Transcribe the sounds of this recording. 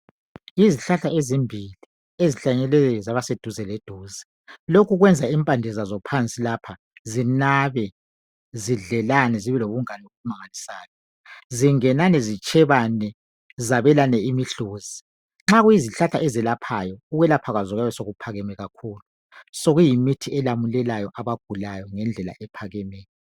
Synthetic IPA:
iziɬaɬaezimbʱili | eziɬaɲɛlɛzaβased̥ʱuzɛled̥ʱuːzi̥ | lokʰuɣwɛnd͡zʱaimpʼandʱɛzazɔpʰant͡sʼilaːpʰa | zinaβɛ | ziɮɛlanɛziβɛloβuŋanioɣumaŋalisaːjɔ | ziŋɛnanɛzit͡ʃʼʰɛβanɛ | zaβɛlanɛimiɬuːzi | ŋ͡ǁaɣujiziɬatʰa̰ɛzɛlapʰajɔuɣwɛlapʰaɣazɔɣaβɛsoɣupʰaɣɛmɛɣakʰuːlu | soɣujimitʰiɛlamulɛlajɔʔaβaɡ̥ʱulajɔŋɛnd͡ɮʱɛla̰ʔɛpʰaɣɛmɛːjɔ

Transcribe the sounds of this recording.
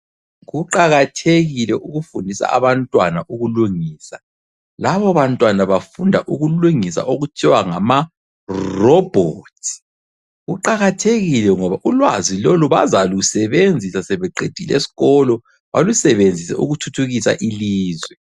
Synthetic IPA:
ɣuǃaɣatʰeɣilɛʔuɣufundʱisa̰a̰βantʼwanaʔuɣuluŋiːsa | laβɔβantʼwanaβafundʱaʔuɣuluŋisa̰ʔoɣut͡ʃʼʰiwaŋama | rɔb̥ʱɔtʰ | ɣuǃaɣatʰeɣilɛŋɔβaʔulwaziloluβa̰zalusɛβend͡zʱisasɛβɛǃed̥ʱilḛsi̥ɣɔlɔ | βa̰lusɛβend͡zʱisɛ̰ṵɣutʰutʰuɣisa̰ʔiliːzwɛ

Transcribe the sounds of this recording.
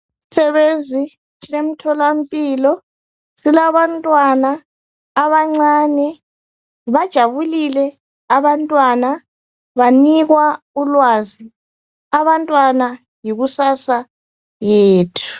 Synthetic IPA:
sɛβenzʱi | sem̩tʰɔlam̩pʼiːlɔ | silaβantʼwanaː | βaŋ͡ǀaːnɛ | βad̥ʒ̥ʱaβulilɛ | aβantʼwana | βaniɣwa | ulwazi | aβantʼwana | jiɣusasa | jeːtʰu̥

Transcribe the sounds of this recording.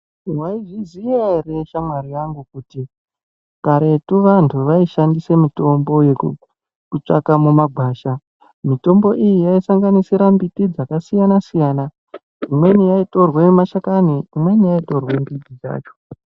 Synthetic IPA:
waiʐizijereʃamwaɾijaŋɡukuti | kaɾe̞tuʋantʰuʋaiʃandise̞mito̞mbo̞je̞u | kut͡ʂa̰kamumaɡʱwaːʃa | mito̞mbo̞ʔijijaisaŋɡanisiɾambitid͡zakasijanasijaːna | imwe̞nijaito̞rwemaʃakaniimwe̞nijaito̞rwembidid͡ʒa̰ːt͡ʃo̥

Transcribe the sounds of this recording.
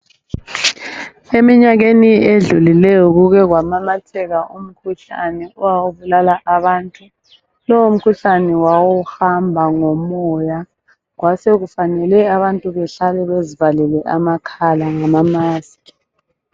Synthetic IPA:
emiɲaɣenieɮulilɛjɔɣuɣɛɣwamamatʰɛɣaum̩kʰuɬa̰nɛɔwawuβulalaʔaβaːntʼu | lɔwum̩kʰuɬanɛwawɔxambʱaŋɔmɔja | ɣwaseɣufanɛlɛaβantʼuβɛɬalɛβezivalɛlɛʔa̰makʰalaŋamamaːski̥

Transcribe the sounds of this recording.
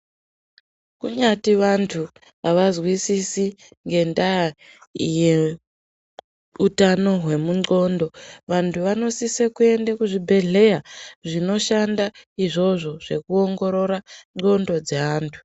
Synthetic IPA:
kuɲatiʋantʰu | ʋaʋazwisisi | ŋɡe̞nda | ije | utano̞ɦwe̞muŋ͡ǀo̞ndo̞ʋantʰuʋano̞sisekue̞ndakuʐibʱe̞ɮe̞jaʐino̞ʃandaiʐo̞ʐo̞ʐ̥e̞kuoŋɡo̞ɾo̞ɾaŋ͡ǃo̞ndo̞d͡zeaːntʰu̥

